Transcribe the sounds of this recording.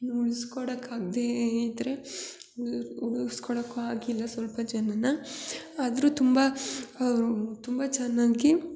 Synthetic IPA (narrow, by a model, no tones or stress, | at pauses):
uɭiskɔɽɐkaːɡd̪eid̪ɐɾe | uɭuskɔɽɐkːuaːɡilːɐsʋɐlpɐd͡ʒɐnːɐnɐː | d̪ɐɾuːt̪umbɐɐɾut̪umbɐt͡ʃɛnːaːɡi